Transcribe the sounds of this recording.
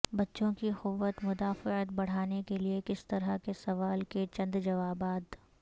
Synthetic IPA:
bɐtːʃõkixʊʋːət̪mʊd̪aːfɪət̪bɐɽ̤aːnekeliekɪst̪ɐɾəkesɐʋaːlket͡ʃɐ̃nd̪d͡ʒɐʋaːbaːd̪

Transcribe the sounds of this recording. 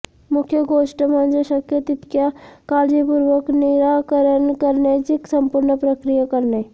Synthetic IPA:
mʊkʰjəɡoːʃʈəmãnd͡ʒeʃɐkjət̪ɪt̪kjakaːɾd͡ʒipʊɾʋəknɪɾaːkəɾənkəɾned͡ʒɪksɐ̃mpʊɾnəpɾəkɾijakɐɾneː

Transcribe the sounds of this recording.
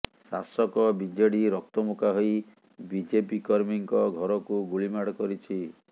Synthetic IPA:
sasɔkɔbid͡ʒeɽiɾɔk̚t̪ɔmukaɦoj | bid͡ʒepikɔɾmiŋkɔɡʱɔɾɔkuɡuɭimaɽkɔɾit͡ʃʰi

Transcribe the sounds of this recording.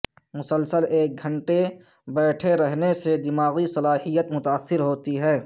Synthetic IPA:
mʊsəlsəleːk̚ɡʱə̃ɳʈe | bɛːʈʰeɾɐɦnesed̪ɪmaːɣisɐlaːhijət̪mʊt̪aəsːɪɾɦoːt̪iɦɛː

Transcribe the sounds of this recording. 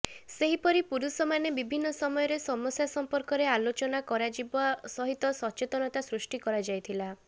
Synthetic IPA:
seɦipɔɾipuɾusɔmanebibʱinːɔsɔmɔjɔɾesɔmɔsjasɔmpɔɾkɔɾealot͡ʃɔnakɔɾad͡ʒibɔsɔɦit̪ɔsɔt͡ʃet̪ɔnɔt̪asɾusʈikɔɾad͡ʒajt̪ʰila

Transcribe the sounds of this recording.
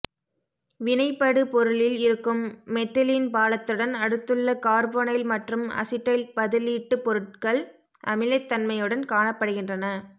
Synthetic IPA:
ʋɪnɐɪpːɐɽɯpɔɾɯlɪlɪɾɯkːɯmːɛt̪ːɐlinpaːlɐt̪ːɯɽɐnɐɽɯt̪ːɯɭːɐkaːɾboːnɐɪlmɐʈrɯmɐ̰sɪʈːɐɪlpɐðɪliːʈːɯpɔɾɯʈ̚kɐɭ | ʔɐmɪlɐɪt̪ːɐnmɐjɯɽɐnkaːɳɐpːɐɽɯɣɪndrɐnɐ

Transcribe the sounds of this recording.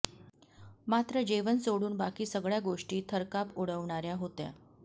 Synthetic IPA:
mat̪ɾəd͡ʑeʋənsoɽuːnbakiːsəɡɭjaɡoʂʈiːt̪ʰəɾkapoɽəʋɳ̃aɾjaɦot̪ja̰

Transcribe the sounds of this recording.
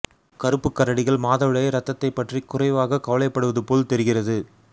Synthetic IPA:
kɐɾɯpːɯkːɐɾɐɽɪɣɐɭmaːðɐʋɪɭɐjɐɾɐt̪ːɐt̪ːɐɪpːɐʈrikːʊrɐɪʋaːɣɐkɐʋɐlɐɪpːɐɽɯʋɐðɯpoːlt̪ɛɾɯɣɪrɐðɯ

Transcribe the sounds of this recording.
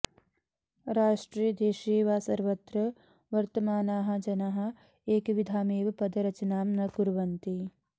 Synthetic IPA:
ɾaːʂʈɾiːd̪eːʃeːʋaːsɐɾʋɐt̪ɾɐ | ʋɐɾt̪ɐmaːnaːɦɐ̆d͡ʒɐnɐɦɐ̆ | eːkʋid̪ʱaːmeːʋɐpɐd̪ɐɾɐt͡ʃɐnaːmnɐɡuɾʋɐnt̪i

